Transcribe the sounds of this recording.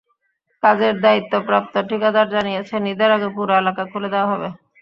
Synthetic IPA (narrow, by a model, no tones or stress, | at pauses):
kad͡ʑeɾd̪ait̪ːopɾap̚t̪oʈikad̪aɾd͡ʑanijet͡ɕʰenid̪eɾaɡepuɾaelakakʰuled̪eoaɦɔbe